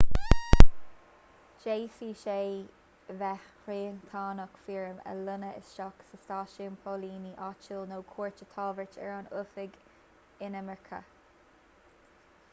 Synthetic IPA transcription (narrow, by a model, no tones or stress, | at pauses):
d͡ʒeːfiːʃeː | vɛ | ɹeːnt̪ʰaːnəkfiɹəmə̰lʊnəɪ̰sʃɔksəstaːʃiənpʰoliːniʔɑt͡ʃulnoːkʰuːɹt͡ʃət̪ʰɑːvət͡ʃɛ̰ɹanʊfɪɡ | ɪnəmɛɹkʰə̰